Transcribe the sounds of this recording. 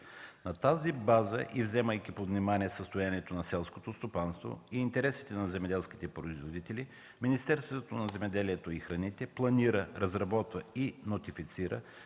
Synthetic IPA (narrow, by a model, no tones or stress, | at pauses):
nɐt̪azibazəʔivzɛməjk̟ʲipovnimaniɛsəst̪ojaniɛt̪onɐsɛlˠskot̪ost̪opanst̪vo̰iːnt̪ɛɾɛsi̥t̪ɛnɐzɛmɛd̪ɛlˠski̥t̪ɛpɾoizvod̪it̪ɛli | minist̪ɛɾst̪vot̪onɐzɛmɛd̪ɛliɛt̪oixɾɐnit̪ɛplˠɐniɾəɾɐzɾɐbɔt̪vəinot̪ifit̪siɾə̰